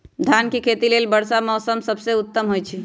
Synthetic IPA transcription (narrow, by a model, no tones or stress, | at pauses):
d̪ʱjankekʰet̪ilelbəɽsamɔsəmsəbseut̪ːəmɦojt͡ʃʰi